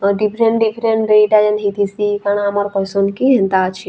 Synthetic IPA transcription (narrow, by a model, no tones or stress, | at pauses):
ɖipʰɾeɳʈɖipʰɾeɳʈɾeiʈad͡ʒenɦit̪ʰisikaɽ̃amaɾkɔjsɔnkiɦɛ̃nt̪at͡ʃʰe